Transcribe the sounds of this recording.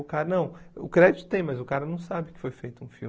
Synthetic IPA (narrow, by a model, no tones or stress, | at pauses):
ʊkaɾɐnɐ̃w̃ʊ̰kɾɛd̪it̪ʊ̥t̪ẽj̃mɐzʊkaɾɐnɐ̃w̃sabɪkɪ̥fojfejt̪ʊũfi